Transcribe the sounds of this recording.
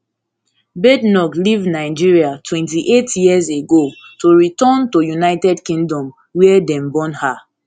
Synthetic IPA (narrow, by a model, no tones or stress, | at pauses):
bɛdnɔklivnaɪd͡ʒiɹiatʰwɛ̃ntiʔetjizeɡotoɹitɔntojunaɪtɛdkĩŋdɔ̃m | wɛɛdɛ̃mbɔ̃nha